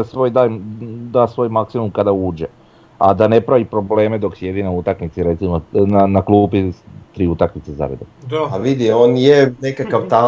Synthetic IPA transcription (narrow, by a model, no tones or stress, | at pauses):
sʋo̞jd̪ajd̪aːsʋo̞ːjmaksimumkad̪auːd͡ʑe | a̰d̪ane̞pɾaʋipɾoble̞ːme̞d̪o̞ksje̞d̪inaut̪akmit̪siɾe̞t̪simonanaklˠupit̪ɾiːut̪akmit̪seza̰ɾḛd̪oaʋid̪ioːnjenekakaʋt̪a